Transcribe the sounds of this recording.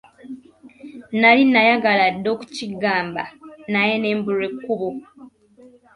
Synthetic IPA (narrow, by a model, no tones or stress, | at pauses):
nalinajaɡaladːo̞ːku̥ciɡaːmba̰najene̞ːmbuɾe̞kːuβo